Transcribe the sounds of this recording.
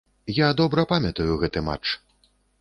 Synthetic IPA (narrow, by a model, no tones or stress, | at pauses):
jad̪ɔbɾɐpamʲɐt̪ɐjuɣɛt̪ɨma̰t͡ʂ